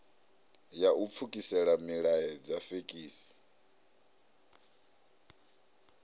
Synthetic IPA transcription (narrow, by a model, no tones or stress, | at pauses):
jaup̪fʰukʼisɛɺamiɺaɛd͡zafekʼiːsi̥